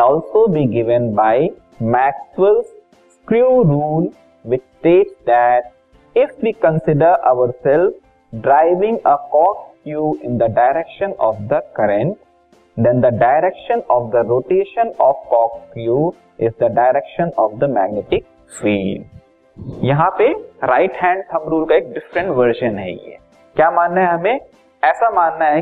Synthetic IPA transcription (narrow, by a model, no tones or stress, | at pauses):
nɔːlsoːbiɡɪʋə̃nbaɪ | mæksʋəls | kɾjuːɾũːl | ʋɪt͡ʃʈeːʈsd̪æʈ̚ | ɪfʋiːkə̃nsɪɖəɾʔaʊəɾsɛlf | ɖɾaɪʋɪ̃ŋɡəkɔːkkjuːɪ̃nd̪əɖaɪɾɛkʃə̃nɔːʋd̪əkʌɾɛ̃ɳʈ | d̪ɛ̃nd̪əɖaɪɾɛkʃə̃nɔːʋd̪əɾoːʈeːʃə̃nɔːʋkɔːkkjuː | ɪzd̪əɖaɪɾɛkʃə̃nɔːʋd̪əmæːɡneʈɪk̚ | sʋiːm | jɐɦãpeɾaɪʈɦɛ̃ːɳɖ̚t̪ʰɐ̃mɾuːlkaeːk̚ɖɪfɾə̃ɳʈʋəɾʃə̃nɦɛ̰jḛ | kjaːmãːnːaɦɛɦɐmẽ | ɛːsamaːnːaɦɛ